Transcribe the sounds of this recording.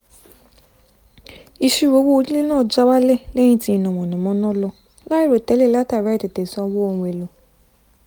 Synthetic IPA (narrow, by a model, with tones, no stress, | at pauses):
i˧ʃu˦˨wo˨˧˦wo˦o˧di˦le˦nãː˦˨d͡ʒa˧˦wa˦lɛ˦˨lɛ̃˦ĩ˦ti˧˦i˨nɔ̃˨mɔ̃˨nɔ̃˨mɔ̃˦nɔ̃˦lɔ˧ | la˦i˦˨ɾo˨tɛ˨˦le˦˨la˦ta˦˨ɾa˨˦ɛ˦˨te˨te˨sɔ˧wo˦õ˧˨we˨lo˨